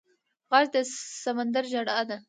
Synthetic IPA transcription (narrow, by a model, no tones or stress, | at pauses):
ɣɑzd̪əsamand̪aɾʒaɽɑd̪a